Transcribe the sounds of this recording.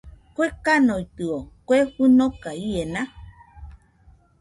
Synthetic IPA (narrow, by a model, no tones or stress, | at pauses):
kʷekanojt̪ɨokʷeɸunokaiena